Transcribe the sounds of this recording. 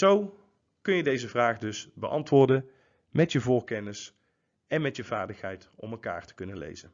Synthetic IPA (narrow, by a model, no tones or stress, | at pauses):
z̥ow | kɵnjədejzəvraːχdɵsbəʔɑ̰ntʋʊːɹdən | mɛtjəvʊːɹkɛnɪs | ɛnmɛtjəvaːɹdəχɦɛjt | ɔ̰mɛlˠka̰ːɹtə̥kɵnənlḛjzən